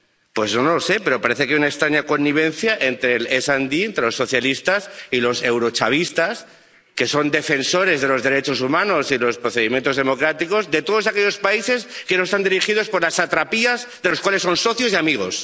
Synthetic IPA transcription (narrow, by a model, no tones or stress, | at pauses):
pwe̞znonolose̞pe̞ɾo̞paɾe̞θekaunaekst̪ɾaɲako̞nːiβ̞ẽ̞nθjaʔe̞nt̪ɾe̞lesand̪ient̪ɾe̞lo̞sːo̞θjalist̪asilo̞se̞wɾo̞t͡ʃaβ̞ist̪as | ke̞so̞nd̪e̞fe̞nso̞ɾe̞zðe̞lo̞zðe̞ɾe̞t͡ʃo̞sumãno̞silo̞spɾo̞θe̞ðimjent̪o̞zðe̞mo̞kɾat̪iko̞zðe̞t̪o̞ðo̞sakeʎo̞spaise̞skenoest̪and̪iɾixið̞o̞spo̞ɾlasat̪ɾapiazðelokwalesːo̞nso̞θjo̞siamiɣ̞o̞s